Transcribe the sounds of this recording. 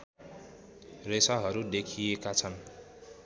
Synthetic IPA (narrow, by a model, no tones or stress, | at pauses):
resaɦʌɾud̪ekʰijekat͡sʰʌn